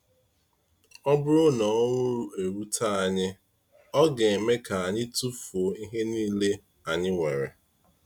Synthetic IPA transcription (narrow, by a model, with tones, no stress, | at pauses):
ɔ˦bʊ˦ɾʊ˦nɔ˨ɔ˦ŋʷʊ˦ɾe˨ɾu˦tʰa˦a˨ɲɪ˦ | ɔ˦ɡe˨e˨me˦ka˨a˨ɲɪ˦tu˦fo˨˦i˦ɦe˦niː˦le˦ | a˨ɲɪ˦ŋʷe˨ɾḛ˨